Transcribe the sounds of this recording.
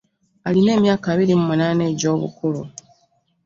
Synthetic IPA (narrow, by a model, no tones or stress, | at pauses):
aline̞ːmjaːkaβiɾimumunaːneːɟo̞ːβṵkulu